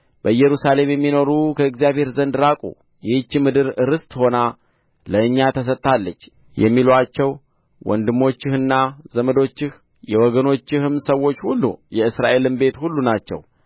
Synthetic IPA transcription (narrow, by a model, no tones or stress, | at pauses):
b̥əɨjɛɾusale̞mjɛmːino̞ɾukʰəɨkzijaβhe̞ɾzənd̪ɾakʼṵ | jɪt͡ʃːɨmɨd̪ɨɾɨɾɨst̪ʼho̞na | ləɨɲːat̪ʰəs̬ət̪ʼːalːət͡ʃː | jɛ̰mːilat͡ʃːɛw | wɔ̰nd̪ɨmːo̞t͡ʃːɪhɨnːazəməd̪o̞t͡ʃːɪh | jɛwɔɡəno̞t͡ʃːɪhɨmsəwːo̞t͡ʃːhulːṵjɛɨsɾaʔe̞lɨmbe̞t̪hulːunat͡ʃːɛ̰w